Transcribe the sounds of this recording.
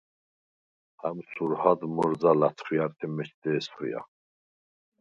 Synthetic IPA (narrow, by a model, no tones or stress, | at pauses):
hamsuɾhad̪mɔɾd͡zalat̪ʰχijaɾt̪ʰimɛt͡ʃd̪ɛːsχṵja̰